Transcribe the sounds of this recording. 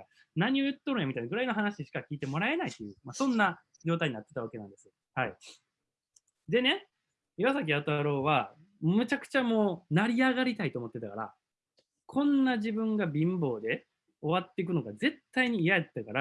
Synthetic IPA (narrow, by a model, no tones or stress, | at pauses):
naɲ̟iojɯ̟t̪ːoɾõjamʲit̪ainaɡɯ̟ɾaino̞ɦanaɕiɕi̥kakʲiːt̪e̞mo̞ɾae̞nait̪ːe̞jɯ̟masõ̞nːa | d͡ʑo̞ːt̪aiɲ̟inat̪ːe̞t̪aβakeãnd̪e̞sɨo | hai | d̪e̞ne | jβasak̬ʲiat̪aɾo̞ːβa | mɯ̟t͡ɕakɯ̟̥t͡ɕamo̞ːnaɾʲiaɡaɾʲit̪ait̪o̞ːmo̞t̪ːe̞t̪akaɾa̰ | kʰõ̞nːaʑibɯ̟̃ŋɡabʲĩmbo̞ːd̪e̞ | o̞βat̪ːe̞ik̬ɯ̟no̞ɡaze̞t̪ːaiɲ̟iːjajat̪ːakaɾa